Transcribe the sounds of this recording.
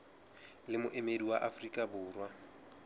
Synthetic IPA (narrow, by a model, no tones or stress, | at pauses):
lɪmʊʔɪmediwaʔafrikʼabʊːrwa